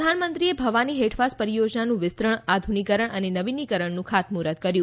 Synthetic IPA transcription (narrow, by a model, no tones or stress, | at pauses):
d̪ʱanmənt̪ɾiebʱəʋaniɦeʈʰʋaspəɾijod͡ʒnanũʋɪst̪ɾəɳad̪ʱunikəɾəɳənenəʋinikəɾəɳnũkʰat̪muɾət̪̚kəɾjũ